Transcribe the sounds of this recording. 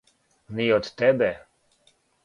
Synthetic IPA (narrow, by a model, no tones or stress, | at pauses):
niɔt̪ːɛbɛ